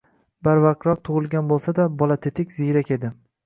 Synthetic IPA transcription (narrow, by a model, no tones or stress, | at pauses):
baɾvaq̚ɾɒq̚t̪ʰʊʁɨlˠɡʲanbolˠsad̪abɒlˠat̪ʰet̪ʰɪkʲz̥ijɾakʲe̞d̪ɪ